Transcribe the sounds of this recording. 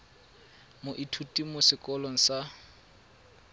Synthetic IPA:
mʊʔitʰutʼimʊsɪkʼɔlɔŋ̩sa

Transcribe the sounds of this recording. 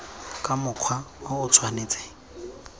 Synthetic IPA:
kʼamʊq͡χʰwaaʊt͡sʰwaneːt͡sʼe̥

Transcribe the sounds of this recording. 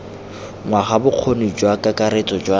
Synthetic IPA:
ŋwaχabʊq͡χʰonid͡ʒwakʼakʼaɾet͡sʼɔd͡ʒwa

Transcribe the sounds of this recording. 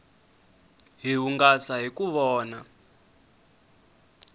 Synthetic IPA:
ɦiɦuŋɡasaɦikuβɔːna

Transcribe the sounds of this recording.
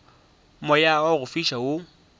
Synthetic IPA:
mɔjawaɣʊfiʃaʊ

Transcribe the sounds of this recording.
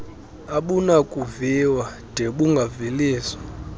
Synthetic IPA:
aɓunakʼuviwa | d̥ʱeɓuŋɡʱaviliːswḁ

